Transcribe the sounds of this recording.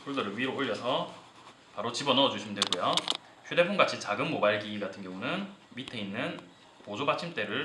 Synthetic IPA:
pʰoɭdʌɾɯɭɥiɾoɸuʎːʌsʰʌ | paɾot͡ɕibʌnʌʌd͡ʑuɕʰimndweɡojo | çude̞pʰoŋɡat͡ɕʰit͡ɕaɡɯnmobaɭɡiɡatʰɯnɡjʌŋunɯnmitʰe̞inːɯn | pod͡ʑobat͡ɕʰimt͈e̞ɾɯɭ

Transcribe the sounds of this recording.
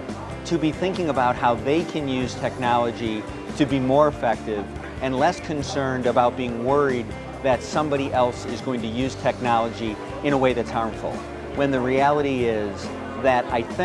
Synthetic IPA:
tʰɨbiθɪ̃ŋkɪ̃ŋəbaʊt̚haʊðeɪkʰɨ̃njʉz̥tʰɛk̚nɑlˠəd͡ʒi | ɾɨbimɔɹəfɛk̚tɪv | ɨ̃nlɛskʰɨ̃nsɜ̃˞ndəbaʊt̚b̥iɪ̃ŋwɜ˞id̪̚ | ðɨtsʌ̃mbɑɾiʔɛlˠsɨzɡoʊɪ̃ŋtɨjʉz̥tʰɛk̚nɑlˠəd͡ʒi | ɨ̃ɾ̃əweɪðɨtshɑɹɱfl̩ˠ | wɨ̃nðɨɹiælˠəɾiɪz | ðɨɾaɪθɪ̃

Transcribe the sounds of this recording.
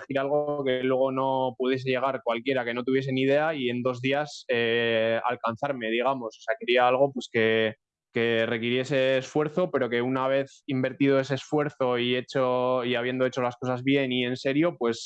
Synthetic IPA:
exiɾalɣ̞oke̞lwe̞ɣ̞o̞no̞puð̞je̞s̬e̞ʝe̞ɣ̞aɾkwalkje̞ɾake̞no̞t̪uβ̞je̞senið̞e̞aie̞nd̪o̞zðiasea̰lkan̟θaɾme̞ðiɣ̞amo̞soseake̞ɾiaalɣ̞o̞pwe̞ske̞ | ke̞re̞kiɾje̞s̬e̞ːsfwe̞ɾθo̞pe̞ɾo̞ke̞unaβ̞e̞θimbe̞ɾt̪ið̞o̞e̞se̞ːsfwe̞ɾθo̞ie̞t͡ʃoiaβe̞nd̪o̞e̞t͡ʃo̞lasko̞sazβje̞nie̞nse̞ɾjo̞pwe̞s

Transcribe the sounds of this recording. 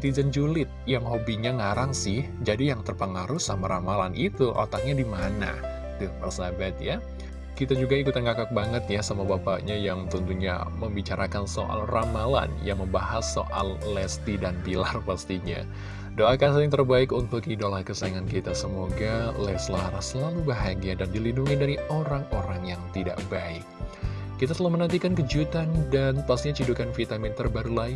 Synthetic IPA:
t̪id͡ʒənd͡ʒulɪt̪̚jaŋɦobiɲaŋaɾaŋsɪhd͡ʒadijaŋt̪ərpəŋaɾuhsamaɾamalanʔit̪uʔo̰t̪ak̚ɲadimana̰ | t̪upərsabat̪ja | kit̪ad͡ʒuɡaikut̪anɡakak̚baŋət̪jasamuabapa̰ʔɲajaŋt̪unt̪uɲa̰məmbit͡ʃaɾʔakanso̰ʔa̰lramala̰njaŋməmbaɦasːo̰ʔa̰llɛst̪idanbilarpast̪iɲa̰ | doʔakansəlɪŋt̪ərbaɪkunt̪ʊkidolahkəsaiŋankit̪asəmoɡalɛsəlaɾahsəlalubaɦaɡiadandilinduŋindaɾioɾaŋoɾaŋjaŋt̪ida̰ʔbaɪk̚ː | it̪at̪əlahmənant̪ikankəd͡ʒut̪andanpast̪iɲat͡ʃidukanfit̪amɪnt̪ərbaɾulain

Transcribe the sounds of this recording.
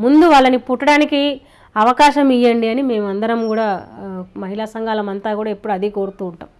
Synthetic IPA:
mund̪uʋaːɭːɐnipuʈːɐɽaːniki | ɐʋɐkaːʃɐmijːɐɳɖiɐnime̞ːmɐnd̪ɐɾɐmɡuːɽaːmɐɦilaːsɐŋɡaːlɐmɐnt̪aːɡuːɽaːepːuɽuɐd̪iko̞ːɾut̪uːɳʈa̰ːm

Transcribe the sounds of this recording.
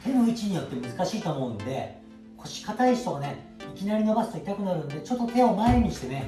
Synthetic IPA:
t̪ʰe̞noit͡ɕiɲ̟ijo̞t̪ːe̞mɯ̟zɨkaɕiːt̪omo̞ɯ̃nd̪e̞ | kʰo̞ɕi̥kat̪aiɕi̥t̪oɡane̞ | ikʲinaɾʲino̞basɨ̥t̪oit̪akɯ̟naɾɯ̟̃nd̪e̞t͡ɕo̞t̪ːo̞t̪e̞o̞mae̞ɲ̟iɕi̥t̪e̞ne̞

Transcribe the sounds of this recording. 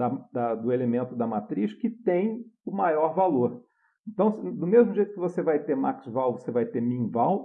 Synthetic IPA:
d̪ɐd̪ɐd̪ʊelemẽnt̪ʊd̪ɐmat̪ɾiʃkɪt̪ẽj̃ʊmajɔɾvaloɾ | ẽnt̪ɐ̃w̃sd̪ʊmezmʊʒejt̪ʊkɪvosevajt̪emaksvawvosevajt̪emĩvaw

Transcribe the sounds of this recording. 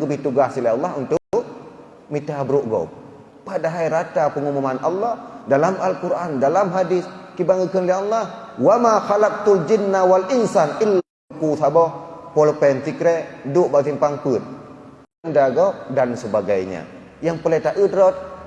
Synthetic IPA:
ɡəbiht̪uɡahsilaɑlːahunt̪ʊʊʔ̚ | mit̪abɾuʔɡɔ̰p̚ː | adaɦajɾat̪apəŋumumanʔɑlːɑhdalamalkuɾʔandalamɦadiskibaŋəkənlialˠˤːɑhwamaxalak̚t̪uld͡ʒinːawalinsanʔilːa | kusabɔhpɔlpɛnt̪ikɾɛʔduʔbakiŋpaŋpɨt̪̚ | ndaɡɔp̚dansəbaɡajɲa̰ | jaŋpəlet̪aʔədɾɔt̪̚

